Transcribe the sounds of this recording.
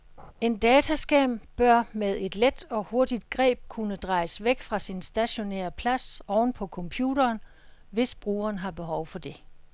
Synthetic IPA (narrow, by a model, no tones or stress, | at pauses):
e̝nd̥ɛːt͡sʰæsɡ̥ɛmb̥ɶɐmeð̞ˠe̝d̥led̥ɒ̽ho̝ɐd̥id̥ɡ̥ʁɛ̰ːb̥̚kʰunəd̥ʁɑ̈ɪsʋeɡ̥fʁɑ̈sinsd̥æɕo̝nḛɐpʰlæsɒʊn̩pʰɒ̽kʰɒ̽mpʰjṵːɾɐːn | ʋe̝sb̥ʁuːɐːnɦɑ̈b̥e̝ɦɒʊfɒ̽d̥e̝